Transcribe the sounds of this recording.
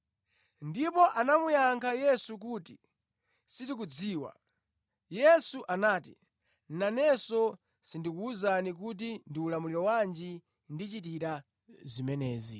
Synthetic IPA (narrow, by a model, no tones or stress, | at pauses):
ndipɔʔanamujaŋkʰajɛsuk̬uːti | sitik̬ud͡ziːwa̰ | jɛsuʔanaːtḭ | n̩nanɛsɔ | sindikuːzanik̬ut̬indiulamuliɾɔwand͡ʒi | ndit͡ʃit̬iɾa | zimɛnɛːzi